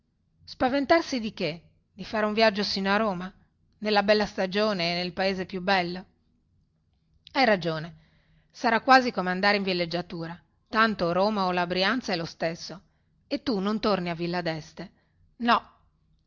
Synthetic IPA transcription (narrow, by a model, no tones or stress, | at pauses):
spavent̪arsid̪ike | d̪̥ifaːɾeuɱvjad͡ʒːosiːnoaɾoːma | nelːabɛlːast̪ad͡ʒoːneːnːelpaeːzepjubːɛlːo | ajrad͡ʒoːne | saɾakːwaːzikomeand̪aːɾeiɱvilːed͡ʒːat̪uːɾa | t̪ant̪oɾoːmaolabɾiant̪sɛlost̪esːo | et̪ːunont̪orniavilːad̪ɛst̪e | nɔ